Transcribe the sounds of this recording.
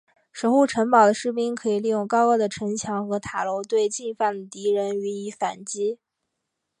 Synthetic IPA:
ʂo˧˥ʊxu˥˩ʈ͡ʂʰə˧˥ŋpɑ˨˩ʊd̪ə˦ʂɻ̩˥˩pi˥ŋkʰɤ˧˥i˨˩li˥˧jʊ˥˩ŋkɑ˥ʊɤ˥˩d̪ə˨ʈ͡ʂʰə˧˥ŋt͡ɕʰjɑ˧˥ŋxɤ˧˥t̪ʰa˨˩lo˧˥ʊt̪we˥˧ɪt͡ɕi˥˧fa˥˩nd̪ə˩t̪i˧˥ɻə˧˥ny˧˥i˧˥fa˨˩nt͡ɕi˥

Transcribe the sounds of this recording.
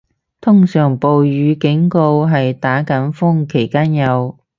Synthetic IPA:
t̪ʰʊ˥ŋsœː˨˩ŋpo˨wjyː˨˧kɪ˨˥ŋko˧wɦɐ˨jt̪aː˨˥kɐ˨˥nfʊ˥ŋkʰe˨˩jkaː˥njɐ˨˧w

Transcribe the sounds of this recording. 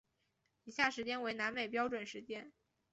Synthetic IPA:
i˧˥ɕja˥˩ʂɻ̩˧˥t͡ɕjɛ˥nwe˧˥ɪna˧˥nme˨˩ɪp̬jɑ˥ʊʈ͡ʂwə˨˩nʂɻ̩˧˥t͡ɕjɛ˥n

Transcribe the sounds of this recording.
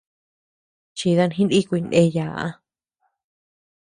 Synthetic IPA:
t͡ʃi˧ða˧nhĩ˦ni˦kʷui˧nẽ˧ja˨ʔa̰˧

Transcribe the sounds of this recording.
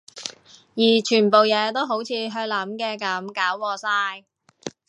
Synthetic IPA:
jiː˨˩t͡ʃʰyː˨˩npo˨wjɛː˨˧t̪o˥wɦo˨˥wt͡sʰiː˨˧ɦœ˧lɐ˨˥mkɛː˧kɐ˨˥mkaː˨˥wːɔː˧saː˧˥j

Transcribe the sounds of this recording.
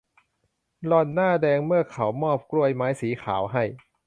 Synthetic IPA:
lɔ˧˩nːaː˥˩dɛː˧ŋmɯ˥˩ɐkʰa˩˦wmɔː˥˩p̚kɾu˥˧˩əjmaː˦˥jsiː˩˦kʰaː˩˦wɦa˥˩j

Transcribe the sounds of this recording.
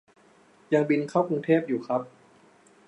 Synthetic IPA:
ja˧ŋbi˧nkʰa˥˩wkʰu˧ŋt̪ʰeː˥˩p̚juː˨˩kʰɾa˦˥p̚

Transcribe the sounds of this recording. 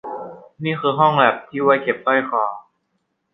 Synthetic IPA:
niː˥˩xɯː˧ɦɔ˥˩ŋbɛː˨˩p̚t̪ʰiː˥˩wa˧˥˩jke˨˩p̚t̪ɔ˥˩jkʰɔː˨˩˦

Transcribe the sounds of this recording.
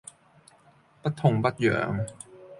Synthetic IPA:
pa˦˥t̪ʰːo˧ŋba˦˥t̪̚jɤ̰ː˩˦ŋ

